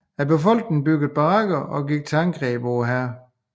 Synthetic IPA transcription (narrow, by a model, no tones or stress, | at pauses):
æb̥efɒ̽l̰ɡ̥nŋn̩b̥yɡ̥ð̩ˠb̥ɑɑɡ̥ɐʔɒ̽ɡiɡ̥̚t͡sʰeɑŋɡ̥ʁɛ̰ːb̥ʋɔːɦæɐ̰